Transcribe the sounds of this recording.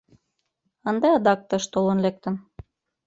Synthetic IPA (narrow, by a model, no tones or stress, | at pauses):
ənd̪eɑd̪ɑk̚t̪ɤ̆ʃt̪olə̆nlek̚t̪ə̆n